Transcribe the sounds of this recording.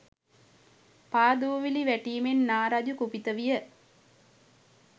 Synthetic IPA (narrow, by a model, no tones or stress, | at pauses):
paːd̪uʋʋiliʋæʈiːmenːaːɾad͡ʒukupit̪əʋijə